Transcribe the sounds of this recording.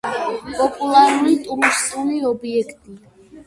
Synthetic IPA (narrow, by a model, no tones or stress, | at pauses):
pʼɔpʼulˠaɾulit̪ʼuɾmst̪ʼuliɔbiɛkʰt̪ʼi